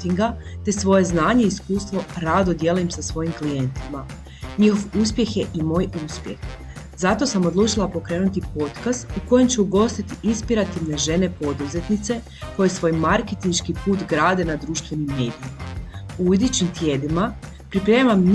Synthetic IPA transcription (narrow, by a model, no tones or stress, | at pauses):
t̪iŋɡat̪e̞sʋo̞je̞znaːɲe̞iskuːst̪ʋo̞ɾad̪od̪je̞luimsasʋo̞jimklije̞nt̪ima | ɲixo̞ʋuspje̞xjeʔimo̞ːjuspjḛx | zat̪o̞samo̞d̪lˠuːt͡ʃilˠapo̞kɾe̞ːnut̪ipo̞t̪kast̪uko̞jemt͡ɕuuɡo̞st̪it̪iinspiɾat̪iʋne̞ʒe̞ne̞po̞d̪uze̞t̪nit̪se̞ | ko̞jesʋo̞ːjmaɾket̪inʃkipuːt̪ɡɾaːd̪e̞nad̪ɾuːʃt̪ʋe̞nimːe̞ːd̪ijimauud̪it͡ɕimt̪je̞d̪ima | pɾipɾe̞ːmamn